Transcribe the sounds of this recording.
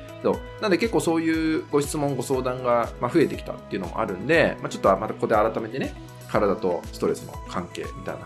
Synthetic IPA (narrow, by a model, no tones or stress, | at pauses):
so̞̰ːnãnd̪e̞ke̞kːoːso̞ːjɯ̟ːɡ̥o̞ɕi̥t͡sɨmõ̞ŋɡo̞so̞ːd̪ãŋɡamaɸɯ̟e̞t̪e̞ki̥t̪a̰t̪ːe̞iɯ̟no̞̰mo̞̰a̰ɾɯ̟̃nd̪e̞mat͡ɕo̞t̪ːoamat̪akokod̪eaɾat̪ame̞t̪e̞ne | kaɾad̪at̪o̞sɨ̥t̪o̞ɾe̞sɨno̞̰kʰãŋke̞ːmʲit̪a̰ina